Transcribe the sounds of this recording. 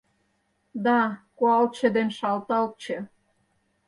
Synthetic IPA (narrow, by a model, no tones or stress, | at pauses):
d̪ɑkoɑlt͡ɕə̆d̪enʃɑlt̪ɑl̚t͡ɕĕ